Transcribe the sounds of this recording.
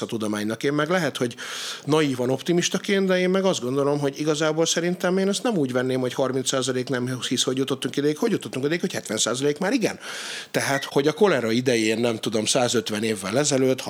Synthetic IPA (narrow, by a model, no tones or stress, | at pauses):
ɒt̪ud̪o̞maːɲnɒkeːmmɛɡlɛɦɛt̪ho̞ɟnɒjiːvɒno̞pt̪imiʃt̪ɒkeːnt̪d̪ɛeːmmɛɡɒzd̪ɡo̞nd̪o̞lo̞mɦo̞ɟiɡɒzaːboːlsɛɾint̪ɛmeːnɛst̪nɛmuːɟʋɛnːeːmho̞chɒrmint̪saːzɒleːknɛmhisho̞ɟjut̪o̞t̪ːuŋkid̪ɛjikho̞ɟjut̪ot̪ːuŋkid̪ɛjikho̞chɛt̪ʋɛnsaːzɒleːkmaːɾiɡɛ̰nt̪ɛɦaːt̪ho̞ɟɒko̞lɛɾɒid̪ɛjeːnːɛmt̪ud̪o̞msaːzøt̪ʋɛneːvːɛlɛzɛløːt̪ːh